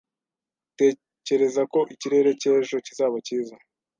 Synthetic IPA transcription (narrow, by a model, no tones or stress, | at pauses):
te̞ː | ce̞ɾe̞zako̞ʔiciɾe̞ːɾe̞ce̞ːʒo̞cizaːβaciːza